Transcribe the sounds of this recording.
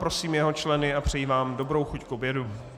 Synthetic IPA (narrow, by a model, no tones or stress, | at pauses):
pɾo̞siːmjɛɦo̞t͡ʃlɛnɪapr̝̥ɛjivaːmdo̞bɾo̞wxuckobjɛdu